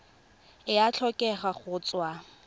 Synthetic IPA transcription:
ɪat͡ɬʰɔkʼɛχaχʊːt͡sʼwa

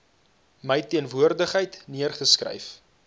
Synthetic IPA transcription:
məjtiənvuərdəχɦəjtniərχəskrə̰jf

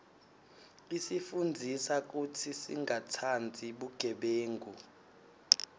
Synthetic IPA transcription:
isifund͡zʱisak̬utʰisḭŋɡʱatʰand͡zʱiɓuɡ̥ʱɛɓeːŋɡʱu

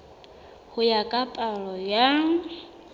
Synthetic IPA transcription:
hʊjakʼapʼaɺɔjaŋ̩

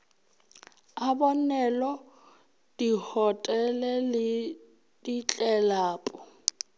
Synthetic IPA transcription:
abɔnɛlɔ | d̥ihɔtʼɛlɛl | dit͡ɬʼɛlaːpʼɔ

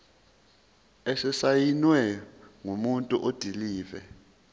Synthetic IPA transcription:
esɛsajinwɛŋumuntʼuʔod̥ʱiliːvɛ̰

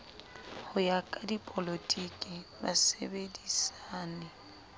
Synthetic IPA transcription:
hʊjakʼadipʼolotʼikʼɪba̰sḛbedisaːnɛ

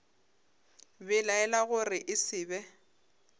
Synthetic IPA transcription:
bɛlaɛlaɣʊrɪʔɪsɪːbɛ

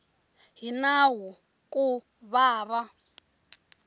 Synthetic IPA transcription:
ɦinaɦu | kʼu | βaːβa

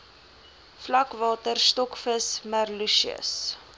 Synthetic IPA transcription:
flɐkvɑːtərstɔkfəsmərluʃiə̰s

